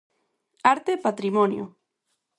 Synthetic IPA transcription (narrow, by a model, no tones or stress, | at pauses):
aɾt̪epat̪ɾimonjo̰